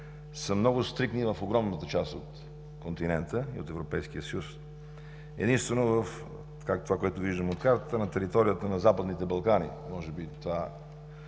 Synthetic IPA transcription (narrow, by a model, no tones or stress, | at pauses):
səmnɔɡʊst̪ɾiknivəfoɡɾɔmnət̪ət͡ʃast̪ot̪ | kont̪inɛnt̪əio̰t̪ɛvɾopɛjsk̟iəsəjus | ɛ̰d̪inst̪vɛnovəf | t̪kakt̪ovakoɛt̪ʊviʒd̪əmot̪kaɾt̪ət̪ənɐt̪ɛɾit̪ɔɾijət̪ənɐzapəd̪nit̪ɛbɐlˠkanḭmɔʒɛbit̪ova